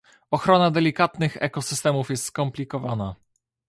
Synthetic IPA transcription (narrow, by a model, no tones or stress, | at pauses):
ɔxɾɔnad̪ɛlʲikat̪nɘxɛ̰kɔsɘst̪ɛmufjɛst̪skɔmplʲikɔvana